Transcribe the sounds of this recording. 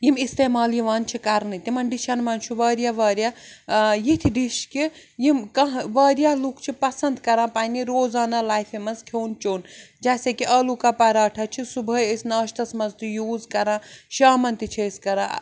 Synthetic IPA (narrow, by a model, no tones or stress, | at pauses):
jimist̪eːmaːljiʋaːnt͡ʃʰikaɾnit̪imɐnɖiʃanmɐnt͡ʃʰuʋɐːɾjaʋɐːɾja | jit̪ʰiɖiʃki | jimkɐɦʋaːɾjalukt͡ʃʰipɐsɐnd̪kɐɾãːpaːniɾoːzaːnalaːjfemɐskʰoːnt͡ʃoːnd͡ʒaːsekiʔɐlukapɐɾaːʈʰɐt͡ʃʰisubʱɐesnaːʃt̪ɐsmɐnzt̪ujuːzkɐɾãːʃaːmɐnt̪it͡ʃʰeskɐɾã